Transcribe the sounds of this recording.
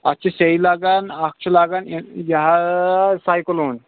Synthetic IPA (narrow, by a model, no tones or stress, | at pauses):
ɐt̪ːt͡ʃʰaseilaːɡanak̚t͡ʃʰulaːɡanjɐɦasaːjkəloːn